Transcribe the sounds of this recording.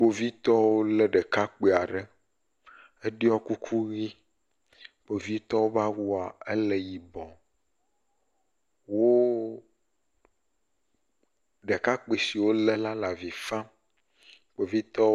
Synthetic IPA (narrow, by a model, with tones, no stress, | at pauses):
k͡po˨vi˦t̪ɔ˦wo˦lɛ˦ɖɛ˨ka˦k͡pe˨a˨ɖɛ˦ | e˦ɖi˦ɔ˦ku˦kʰu˦ɣi˦ | k͡po˨vi˦t̪ɔ˦wo˦va˦wu˦a˨e˦lɛ˨ji˨bɔ˨ | wo˦ | ɖe˨ka˦k͡pe˨si˨wo˦lɛ˦la˦la˨vi˨fã˦ | k͡po˨vi˦t̪ɔ˦